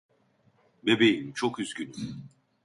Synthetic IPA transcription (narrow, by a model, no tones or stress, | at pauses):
bebejimt͡ʃʰo̞kyzɟyny